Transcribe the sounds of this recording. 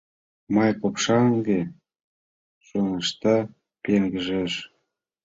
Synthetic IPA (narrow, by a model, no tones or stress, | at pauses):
mɑjpopʃɑŋɡe | ʃonɤʃt̪ɑ | peŋɡəʒeʃ